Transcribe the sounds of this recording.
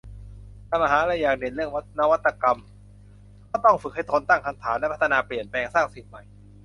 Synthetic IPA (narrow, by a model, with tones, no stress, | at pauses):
t̪ʰa˧˩maː˧ɦaː˩˦laː˧˥jaː˨˩k̚ne˨˩nlɯ˥˩əŋ˥na˦˥wa˦˥t̪ːa˧ka˧m | kʰɔː˥˩t̪ɔ˥˩ŋfɯ˨˩k̚ha˥˩jt̪ʰoː˧nt̪a˥˩ŋkʰa˧nt̪ʰaː˩˦nlpʰt̪ʰa˧naː˧pli˨˩ənplɛː˧ŋsaː˥˩ŋsi˨˩t̪̚ma˨˩j